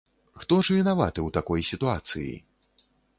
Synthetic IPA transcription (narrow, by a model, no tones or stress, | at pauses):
xt̪ɔʐvʲinava̰t̪ɨwt̪akɔjsʲit̪uat̪sɨ̰jḭ